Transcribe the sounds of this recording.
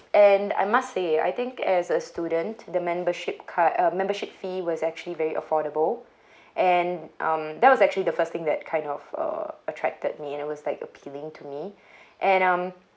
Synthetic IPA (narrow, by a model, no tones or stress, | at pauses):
ʔɛ̃na̰ɪmastsea̰jt̪ɪ̃ŋkɛzəstjudə̃ntd̪əmɛ̃mbəʃɪpkʰaʔʌmɛ̃mbəʃɪp̚fiwɔzɛk̚t͡ʃuəlivɛɹiʔə̰fɔɾəbəl | ʔɛ̃nʔʌ̃md̪ɛt̚wɔsɛk̚t͡ʃuəlid̪əfəst̪ɪ̃ŋd̪ɛt̚kʰãɪ̃ndɔvʌ̰ətʰɹ̥ɛ̰k̚təd̚miɛ̃nɪt̚wɔzlaɪkəpʰilɪ̃ŋtʰumi | ʔɛ̃nʌ̃m